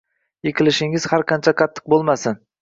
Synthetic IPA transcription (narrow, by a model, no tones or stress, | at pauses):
jekʲʰɪlɪʃɪŋɪz̥haɾqʰɑnt͡ʃʰaqʰɑt̪ʰːɨ̥q̚bolˠmasɪn